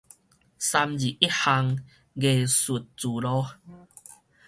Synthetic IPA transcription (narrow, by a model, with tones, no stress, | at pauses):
sa˧md͡ʑi˨i˦˥ha˧ŋ | ɡe˨˩su˨˩t̚t͡su˨˩lɔ˧˦